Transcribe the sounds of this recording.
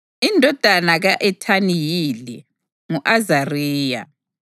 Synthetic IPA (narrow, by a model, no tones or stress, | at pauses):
indʱɔd̥ʱanaɣaʔɛtʰanijilḭ | ŋuʔazarɛːja̰